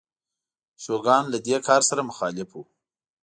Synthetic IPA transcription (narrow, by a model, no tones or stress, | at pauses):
ʃoɡɑnlad̪ekʰɑɾsaɾamʊxɑlɪfu